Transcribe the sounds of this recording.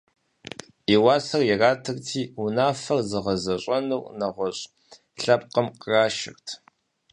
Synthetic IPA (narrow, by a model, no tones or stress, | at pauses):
iwaːsɐrjɪraːtʰɨrtʰiːunaːfɐrzɨʁɐzɐɕʷʼɐnɨwnɐʁʷɔɕʼ | ɬɐpqəmqəraːʃɪ̰rtʰ